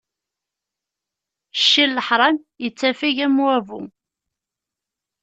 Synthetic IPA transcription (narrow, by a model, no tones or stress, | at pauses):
ʃːilːəħɾˤɑn | jət͡sːæfiʝæmwævṵ